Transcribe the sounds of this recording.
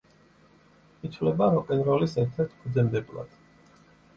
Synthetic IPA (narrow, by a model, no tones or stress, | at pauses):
it̪ʰvlɛbaɾɔkʼɛnɾɔlisɛɾt̪ʰɛɾt̪ʰkʰud̪zɛmd̪ɛbla̰d̪̥